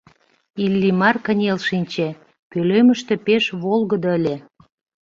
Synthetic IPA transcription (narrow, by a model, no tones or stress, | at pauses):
ilːimɑrkə̆nʲelʃinʲt͡ɕe | pøløməʃt̪ĕpeʃβolɣəd̪̆əlʲĕ